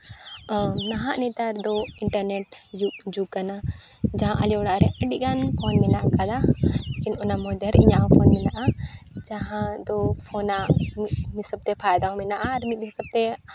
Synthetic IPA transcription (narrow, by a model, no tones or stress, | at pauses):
naɦaʔnɛt̪aɾd̪ɔiɳʈəɾnɛʈ̚d͡ʒud͡ʒukana | d͡ʒaɦãʔaliɔɽaʔɾɛʔəɖiˀɡanpʰɔnmɛnaʔkad̪alekinɔnamɔd̪əɾḭɲaʔɦɔ̃pʰɔnmɛnaʔad͡ʒaɦãd̪ɔpʰɔnaʔmimisəb̚t̪ɛpʰajd̪aɔ̃mɛnaʔaɾmit̪̚ɦisəb̚t̪ɛ